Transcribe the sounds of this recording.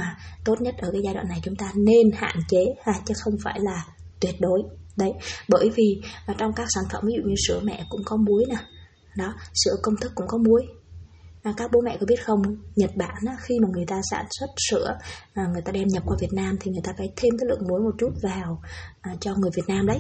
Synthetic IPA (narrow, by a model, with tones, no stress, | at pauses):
aː˨˩t̪o˦˥t̚ɲə˦˥t̚ʔəː˧˩kaː˨˦jzaː˧jɗwa̰ː˧˨nː˨˩jt͡ɕʊ˨˦ŋ͡mt̪aː˧ne˧nha̰ː˧˨nt͡ɕe˨˦haː˨˩t͡ɕɨ˨˦xə˧wŋ͡mfaː˧˩jlaː˨˩ | t̪wi˨˩ət̚ɗo˨˦jɗə˨˦jɓəː˧˩jvi˨˩ʔːt͡ɕɔ˧wŋ͡mkaː˦˥k̚saː˧˩ŋ̟fə˧˩mvi˨˦zṵ˧˨ɲɨ˧sɨ̰˧˥əmɛ̰˧˨kʊ̰˧˥ŋ͡mkɔ˨˦mu˨˦əjna˨˩ | ɗɔ˨˦sɨ̰˧˩əkə˧wŋ͡mt̪ʰɨ˦˥kːʊ̰˧˥ŋ͡mkɔ˨˦mu˨˦əj | ʔkaː˦˥k̚ɓo˨˦mɛ̰˧˨kɔ˨˦ɓi˦˥t̚xə˧wŋ͡mɲə˨˩t̚ɓaː˧˨nʔa˨˦xi˧maː˨˩ŋɨ˨˩əjt̪aː˧sa̰ː˧˩nswə˦˥t̚sɨ̰˧˥əʔːŋɨ˨˩əjt̪aː˧ɗɛ˧mɲə˨˩p̚kwaː˧vi˨˩ət̚naː˧mt̪ʰi˨˩ŋɨ˨˩jt̪aː˧faː˧˩jt̪ʰe˧mkaː˨˦jlɨ̰˧˨əŋmu˨˦əjmo˨˩t̚t͡ɕu˦˥t̚vaː˨˩wʔt͡ɕɔ˧ŋɨ˨˩əjvi˨˩ət̚naː˧mɗə˨˦j